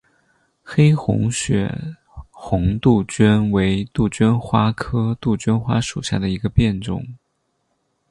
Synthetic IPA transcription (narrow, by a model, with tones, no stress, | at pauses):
xe˥ɪxʊ̰˧˥ŋɕɥɛ̰˨˩ | xʊ˧˥ŋt̪u˥˩t͡ɕɥɛ˥nwe˧˥ɪt̪u˥˩t͡ɕɛ˥nxwa˥kʰɤ˥t̪u˥˩t͡ɕɥɛ˥nxwa˥ʂṵ˨˩ɕja̰˥˩d̪ə˩i˧˥ɡə˧pjɛ˥˧nʈ͡ʂʊ̰˥˩ŋ